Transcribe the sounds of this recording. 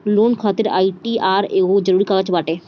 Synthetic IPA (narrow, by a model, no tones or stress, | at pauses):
loːnkʰat̪eɾa̰ːjʈiaːɾeɡõd͡ʒəɾuːɾikaɡət͡ʃbaːʈe